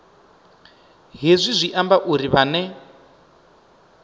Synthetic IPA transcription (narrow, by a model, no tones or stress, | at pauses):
ɦezʷizʷiʔambaʔuɾiβanɛ